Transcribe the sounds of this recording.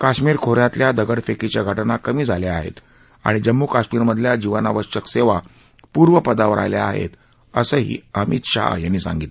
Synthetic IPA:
kaɕmiːɾkʰoɾjat̪ljad̪əɡəɽfekit͡ɕjaɡʱəʈnakəmiːd͡zʱaleaɦḛt̪ | a̰ɽ̃id͡ʑəmːuːkaɕmiːɾməd̪ʱljad͡ʑiʋanaʋəɕəkseʋa | puːɾʋəpəd̪aʋɾʔa̰jljea̰ɦḛt̪ | əsəɦḭːəmit̪ɕa̰janːiːsã̰ŋɡiːt̪l

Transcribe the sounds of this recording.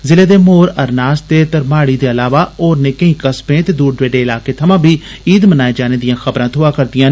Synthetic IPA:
zɪleːd̪eːmoːɾəɾnaːst̪eːt̪əɾmaːɽiːd̪eːəlaːʋaːoːɾneːkə̃ĩːkəsbẽːt̪eːd̪uːɖɖʋeːɖeːɪlaːkeːt̪ʰəmãːbʱiː | iːd̪mənaːeːd͡ʒaːneːd̪ɪjãːxʰəbɾãːt̪ʰʊaːkəɾd̪ɪjãː

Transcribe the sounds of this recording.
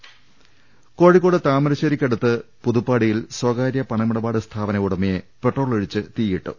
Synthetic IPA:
ko̞ːɻikːoːɽɨt̪aːmɐɾɐɕɐɾikʲːɐɽut̪ːɨpuðupːaːɽijilswɐːɡaːɾjɐpɐɳɐmuɽɐbaːɽɨst̪ʰaːbɐnɐuɽɐmeje | pe̞ʈro̞ːɭeɻit͡ɕːɨt̪iːjiʈːṵ

